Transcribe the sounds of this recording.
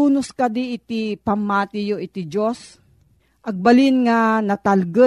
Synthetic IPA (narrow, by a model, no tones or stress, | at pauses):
uːnoskɐd̪iɪt̪ipɐmːaːt̪ɪjoʔɪt̪id͡ʒos | ʔɐɡ̚balɪnŋanɐt̪alɡə